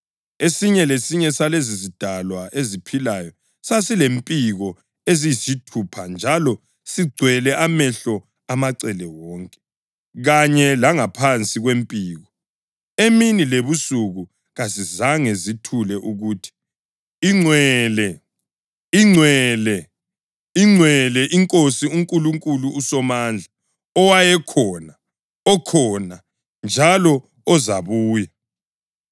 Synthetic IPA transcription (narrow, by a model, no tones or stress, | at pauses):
esiɲɛlesiɲɛsalezizid̥ʱalwaʔezipʰilajɔ | sasilempʼiɣɔ | ezijisitʰupʰand͡ʒʱalɔ | siɡ͡ǀʱwɛlɛʔamɛɬɔ | amaǀɛlɛwɔːŋkʼɛ̥ | ɣaɲɛlaŋapʰant͡sʼiɣwempʼiːɣɔ | eminileβusuɣu | ɣazizaŋezitʰulɛʔuɣuːtʰi̥ | iŋ͡ǀwɛlɛ | iŋ͡ǀwɛlɛ | iŋ͡ǀʱwɛlɛʔiŋkʼosiuŋkʼuluŋkʼuluːsɔmaːnd͡ɮʱa | ɔwajɛkʰɔna | ɔkʰɔna | nd͡ʒʱalɔː | zaβuːja